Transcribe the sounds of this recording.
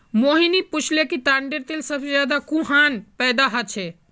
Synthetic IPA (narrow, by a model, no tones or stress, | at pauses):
moɦiniput͡ʃʰlekit̪aɳɖeɾt̪elsəbsed͡ʒjad̪akũɦanpɛd̪aɦət͡ʃʰɛ